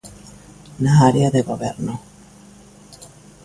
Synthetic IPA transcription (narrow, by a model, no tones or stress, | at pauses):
naaɾeaðeɣoβeɾno